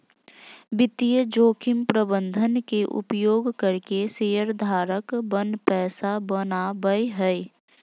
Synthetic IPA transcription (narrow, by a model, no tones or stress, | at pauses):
bɪt̪ijəd͡ʒoːkʰɪmpɾəbə̃nd̪ʱənkeʔʊ̰pjoːɡkəɾkeseːəɾd̪ʱaːɾəkbənpɛːsabənabəjɦəj